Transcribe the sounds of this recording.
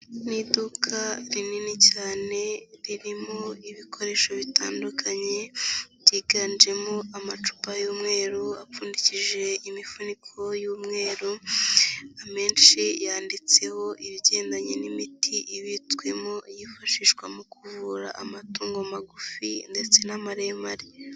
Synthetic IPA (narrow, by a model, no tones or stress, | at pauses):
nidukʰaɾininicaːne̞ɾiɾimo̞iβikʰo̞ɾe̞ːʃo̞βita̰ːndukʰaɲe̞βɟiːɡand͡ʒe̞mo̞ʔamat͡ʃu̥pajuːmŋe̞ːɾuafuːndiciʒe̞imifunikʰo̞juːmŋe̞ːɾu | ame̞ːnʃijaːndit͡se̞ho̞ʔiβɟe̞ːndaɲe̞nimitʰiʔiβitkwe̞mo̞jifaʃiʃwamukuvuːɾa̰ʔamatuːŋɡomaɡufinde̞t͡se̞namaɾemaɾi